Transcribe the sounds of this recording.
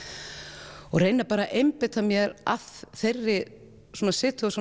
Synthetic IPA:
ɔɣrejnapaːɾaʔejmpɪt̪ʰamjɛɾa̰ðθejrːɪ | swoːnasɪːt̪ʏasu

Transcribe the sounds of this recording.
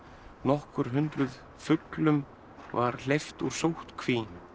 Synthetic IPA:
nɔhkʏɾ̥ɦʏnt̪ɾʏð | fʏklʏm | vaɾ̥lejft̪uɾ̥sowht̪kʰviː

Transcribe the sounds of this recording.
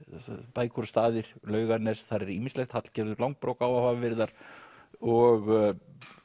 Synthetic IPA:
paːjkʰɔɾst̪aːðɪɾ̥lœːɥɣaɾnɛst̪θaɾɛɾiːmɪnslɛxt̪hat̪l̥cɛːɾðʏɾlawŋk̚pɾoːwkawavaːvvɪɾðaɾ̥ | ɔɣ

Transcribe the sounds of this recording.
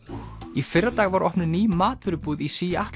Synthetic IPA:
ifɪrːat̪aːɣvaɾɔhpnɪniːmaːt̪vɪɾʏpuːðisiːjaht̪

